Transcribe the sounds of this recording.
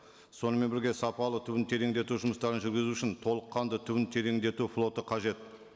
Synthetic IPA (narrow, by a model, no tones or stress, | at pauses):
so̞nəme̞bɪɾɡʲe̞sɑpɑlˠət̪ʰʏbɪnt̪ʰe̞ɾe̞ŋd̪e̞t̪uʒʊməst̪ɑɾənʒʏɾɡʲɪzuɪʃɪnt̪ʰo̞lˠəqːɑnd̪ət̪ʰʏbɪnt̪ʰe̞ɾe̞ŋd̪e̞t̪uflˠo̞t̪əqʰɑʒe̞t̪